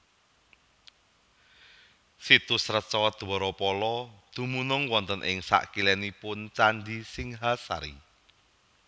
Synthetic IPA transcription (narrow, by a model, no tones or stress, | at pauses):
sit̪usɾət͡ʃɔd̪̥uɔɾɔpɔlɔd̪̥ṳmunʊŋwɔnt̪ənʔɪ̰ŋsa̰ʔkilɛnipʊnt͡ʃand̪isɪŋɦasa̰ɾḭ